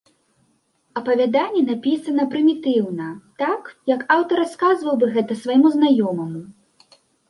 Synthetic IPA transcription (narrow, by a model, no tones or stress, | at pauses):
ɐpɐvʲad̪anʲːɛnapʲisɐnɐpɾɨmʲit̪ɨwnɐt̪akjɐkawt̪ɐɾaskazvɐwbɨɣɛt̪ɐsvajmuznajɔmɐmu